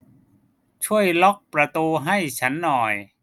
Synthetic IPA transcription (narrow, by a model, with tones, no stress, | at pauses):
t͡ɕʰu˥˩əjlɔ˦˥k̚pɾa˧t̪uː˧ɦa˥˩jt͡ɕʰa˦˥nːɔː˨˩j